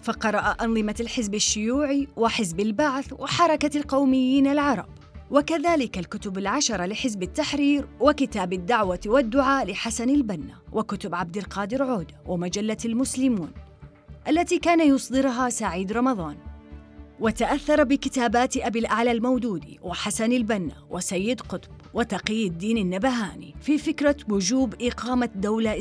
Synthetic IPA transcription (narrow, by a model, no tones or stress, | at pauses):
fɑqɑɾˤɑʔaʔɑnðˤɨmalħɪzbaʃːʊjuːʕiwɪħɪzbalbaʕθwʔɪħɑɾˤɑkalqɑwmɪjːiːnalʕɑɾˤɑ̰b̚ | wakaðaːlɪkalkʊt̪ʊbalʕaʃɑɾˤɑlɪħɪzbɪt̪ːaħɾiːɾwɪkɪt̪aːbad̪ːaʕwawad̪ːʊʕaːlɪħasanalbanːawʔɪkʊt̪ʊbʕabd̪ɪlqɑːd̪ɪɾʕoːd̪wʔɪmad͡ʒalːalmʊslɪmuːn | ʔalːat̪ikaːnajʊsˤd̪ˤɨɾɦasaʕiːd̪ɾˤɑmɑðˤɑːn | wɪt̪aʔaθːɑɾˤbɪkɪt̪aːbaːt̪ʔabilʔaʕlalmawd̪uːd̪ḭwʔɪħasanɪlbanːa̰wʔɪsajːɪd̪qʊt̪ˤbwɪt̪ɑqijːɪd̪ːiːnɪnːabaɦaːnḭfifɪkɾˤawʊd͡ʒuːbʔɪqɑːmad̪awla